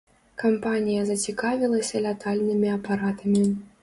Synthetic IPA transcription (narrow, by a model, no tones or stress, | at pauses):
kampanʲijɐzɐt͡sʲikavʲilˠɐsʲɐlʲat̪alʲnɨmʲiɐpaɾat̪ɐmʲi